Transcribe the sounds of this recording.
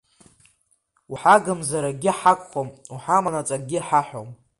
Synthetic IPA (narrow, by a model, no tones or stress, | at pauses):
uħaɡɨmzaɾaɡʲɪħakʷʼχʷomuħamanat͡sʼaɡʲiħaħo̰m